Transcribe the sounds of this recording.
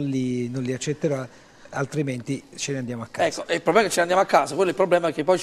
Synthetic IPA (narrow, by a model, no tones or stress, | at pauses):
nlinonlːiat͡ʃːet̪ːeɾa | alt̪ɾiment̪it͡ʃeneand̪jaːmoakːaɛkːoʔeilpɾobɾɛmːket͡ʃːeneand̪amoakːaːsakwelːoilpɾoblɛːmaɛkːepːɔj